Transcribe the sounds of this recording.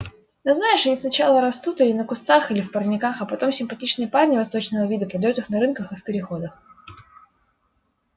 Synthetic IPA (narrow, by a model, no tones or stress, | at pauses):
nɨznajɪʂɐnʲisnɐt͡ɕalˠəɾɐst̪ut̪ɨlʲɪnəkʊst̪axɨlʲɪfpərnʲɪkaxɐpɐt̪o̞msʲɪmpɐtʲit͡ɕnɨjəparnʲɪvɐst̪o̞t͡ɕnəvəvʲid̪əpɾəd̪ɐjut̪ɨxnɐɾɨnkəxɨfʲpʲɪɾʲɪxo̞d̪əx